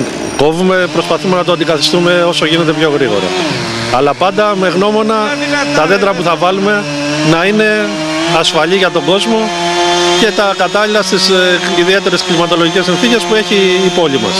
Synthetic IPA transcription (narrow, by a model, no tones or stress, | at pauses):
ko̞vume̞pɾo̞spɐθume̞nɐt̪oɐnd̪ikɐθi̥st̪ume̞o̞so̞ʝine̞t̪̬epço̞ɣɾiɣo̞̰ɾɐ̰ | ɐlɐpɐnd̪ɐme̞ɣno̞mo̞nɐt̪ɐðed̪ɾɐpuθɐvɐlume̞ | nɐine̞ | ɐsfɐʎiʝɐt̪o̞ɡo̞zmo̞ | ce̞t̪ɐkɐt̪ɐlilɐst̪isiðie̞t̪e̞ɾe̞sklimɐt̪o̞lo̞ʝice̞sinθice̞spue̞çiːpo̞ʎimɐ̰s